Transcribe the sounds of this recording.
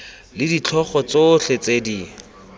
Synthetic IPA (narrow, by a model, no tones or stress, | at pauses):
lɪdit͡ɬʰɔχɔt͡soɬet͡sedi